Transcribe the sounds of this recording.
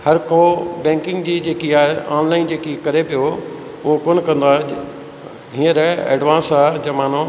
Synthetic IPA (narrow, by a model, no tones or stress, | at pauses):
hɐɾkʰobɛ̃ːŋkɪ̃ŋɡd͡ʑiːd͡ʑeːkiaːeaːnlaːɪnd͡ʑeːkikɐɾepijo | ʊɦokoːnkɐ̃nd̪aː | ɦĩːəɾɛḛːɖʋãːnsaːd͡ʑɐmaːn̤õ